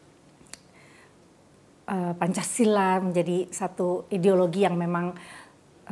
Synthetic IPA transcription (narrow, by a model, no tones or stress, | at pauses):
ʔəpaɲt͡ʃasilaməɲd͡ʒadisat̪uideoloɡijaŋmemaŋ